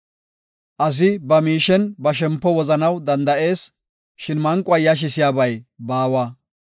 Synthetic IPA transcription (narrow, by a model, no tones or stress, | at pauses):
ʔɐs̬ɪbɐmiːʃɛnbɐʃ̬ɛmpːɔwɔzɐnɐwd̪ɐnd̪ɐʔe̞ːs | ʃɪnmɐŋkʼʊɐjaʃ̬ɪsɪjaːbɐjbaːwaː